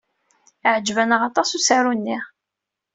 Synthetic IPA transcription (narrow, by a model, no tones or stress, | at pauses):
ʕd͡ʒvænəʁɑt̪ˤɑsusaɾunːiʁ